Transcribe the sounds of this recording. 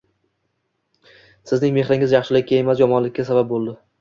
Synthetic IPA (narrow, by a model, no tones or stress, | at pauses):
sɪznɪŋme̞χɾɪŋɪzjɑχʃɪlɪk̚ʲːʰaemas̬jɒmɒnlɪkʲːasabap̚bolˠd̪ɪ